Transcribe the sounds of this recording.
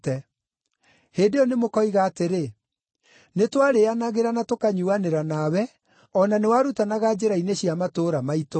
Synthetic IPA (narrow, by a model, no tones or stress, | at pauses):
ɛ | heːdeɔnemokɔiɣaːteɾe | netwaɾeanaɣeɾanatokaɲuaneɾanawɛ | ɔnanewaɾutanaɣad͡ʑeɾaineɕiamatoːɾamaito